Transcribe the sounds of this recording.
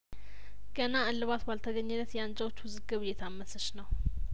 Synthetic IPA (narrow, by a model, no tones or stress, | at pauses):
ɡ̥ənaɨlːɨβat̪balt̪ʰəɡəɲːɨnːət̪jɛand͡ʒawot͡ʃːwʊzɨɡɨβjɛt̪ʰamːəsəʃnəw